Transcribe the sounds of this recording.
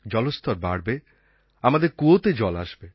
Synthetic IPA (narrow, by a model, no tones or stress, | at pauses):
d͡ʑɔlost̪ʰɔɾbaɽbe | amad̪eɾkuot̪ed͡ʑɔla̰ʃbe